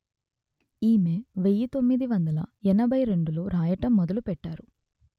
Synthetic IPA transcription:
iːmeːʋejɐt̪o̞mːid̪iʋɐnd̪ɐlɐ̰ɛnɐbʱɐjɾe̞ɳɖuloːɾaːjɐʈɐmːɔd̪ɐlupɛʈːaːɾu

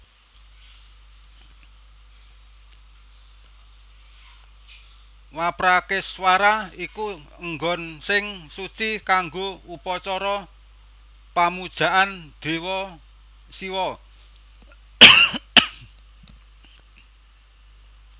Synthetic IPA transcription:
wapɾakɪswaɾaiku | əŋɡɔnsɪŋsut͡ʃikaŋɡoupɔt͡ʃɔɾɔ | pamud̥ʒ̥a̤ʔand̪̥e̤wɔ | siwɔ

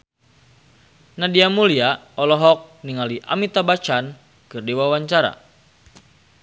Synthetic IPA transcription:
nadiamulia | ɔlɔɦɔk̚niŋaliʔa̰mit̪abat͡ʃan | kɨrdiwawaɲt͡ʃaɾa̰

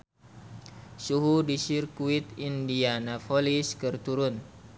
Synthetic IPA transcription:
suɦudisirkuit̪indianafoliskərt̪uɾʊn

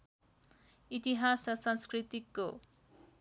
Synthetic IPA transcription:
it̪iɦasʌsʌnskrit̪ikːo

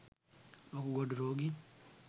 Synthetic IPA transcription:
okuɡodiɾoɡi

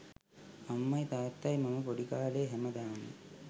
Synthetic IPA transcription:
ɐmːɐjt̪aːt̪ːaːjmɐmɐpɔɽikaːleːɦemɐd̪aːmḭ

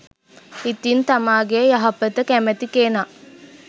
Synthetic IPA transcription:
it̪int̪ɐmaːɡejɐɦɐpət̪əkæmɐt̪ikeːna

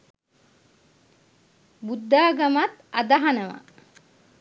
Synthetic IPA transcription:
bud̪ːaːɡamat̪ad̪aɦanəʋa̰

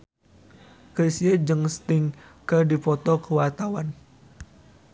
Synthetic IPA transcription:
kəsiəd͡ʒɨŋst̪ɪŋkədipɔt̪ɔkəwart̪awan

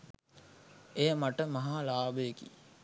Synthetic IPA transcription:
ejəmaʈəmɐɦalaːbəjəkḭ

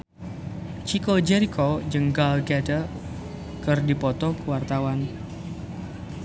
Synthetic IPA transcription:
t͡ʃikod͡ʒɛɾikʰod͡ʒəŋɡalɡɛdə | kɨrdipɔt̪ɔkəwart̪awan

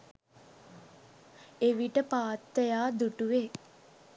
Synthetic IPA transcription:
eʋiʈəpaːt̪ːəjaːd̪uʈuʋe

